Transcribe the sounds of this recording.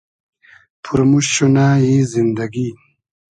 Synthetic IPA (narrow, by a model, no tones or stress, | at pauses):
pʰuɾmuɕunaːjizind̪aɡi